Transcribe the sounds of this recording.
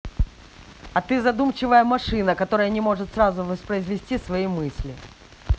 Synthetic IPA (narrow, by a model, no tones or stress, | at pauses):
ɐt̪ɨzɐd̪umt͡ɕɪvəjəmɐʂɨnəkɐt̪o̞ɾəjənʲɪmo̞ʐɨt̪srazʊvəspɾəɪzvʲɪsʲtʲisvɐimɨsʲlʲɪ